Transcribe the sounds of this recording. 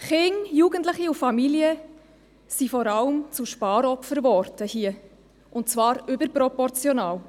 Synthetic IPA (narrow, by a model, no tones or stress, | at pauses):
χɪŋjuːɡ̥əntləχiufɑmiliə | sifɔɾɑləmt͡suʃpɑːɾɔpfəɾʋɔɾtəhiə | ʔʊnt̚t͡svɑːɾʏbəɾpɾɔpɔɾt͡sjɔnɑːw